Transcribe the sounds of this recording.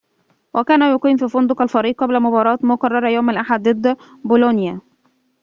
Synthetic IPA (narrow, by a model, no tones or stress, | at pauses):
wʔækæːnæjʊqiːnfiːfʊnd̪ʊqælfɑɾiːʔ̚qːɑblæmʊbɑːɾˤɑːt̪mʊqɑrˤːɑɾˤɑjoːmalʔaħad̪ːɨd̪ | bolonja